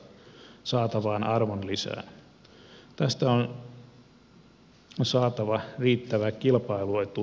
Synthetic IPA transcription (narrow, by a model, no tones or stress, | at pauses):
sɑːt̪ɑʋɑːnʔɑrʋonlisæ̰ːn | t̪æst̪æon | sɑːt̪ɑʋɑriːt̪ːæʋækilpɑiluet̪u